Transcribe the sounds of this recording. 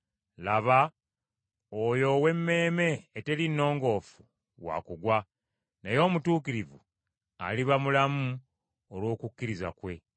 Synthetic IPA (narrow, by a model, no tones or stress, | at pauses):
laβa | ojo̞we̞mːe̞ːme̞ːte̞linːo̞ːŋɡo̞ːfu̥ | wa̰kuɡwa | nejo̞ːmutuːkiɾivṵ | a̰liβamulamu | olwo̞ːkukːiɾiza̰kwe̞